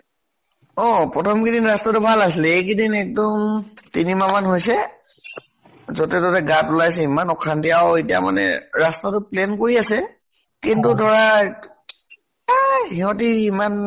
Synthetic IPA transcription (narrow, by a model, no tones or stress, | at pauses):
ɔpɹɔtʰɔmkidinɹastatʊbʱalasilɛekidinɛk̚dɔmtinimamanɦojsɛ | zɔtɛtɔtɛɡatulajs̬ɛimanɔkʰantiaetija̰ma̰nɛ̰ɹastatʊplɛnkoɹiasɛ | kintudʱɔɹa | hiɦɔtiiman